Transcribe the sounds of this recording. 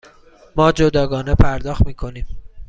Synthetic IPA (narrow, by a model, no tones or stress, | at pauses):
mɒːd͡ʒod̪ɒːɡɒːnepʰæɾd̪ɒːxt̪miːkʰo̞niːm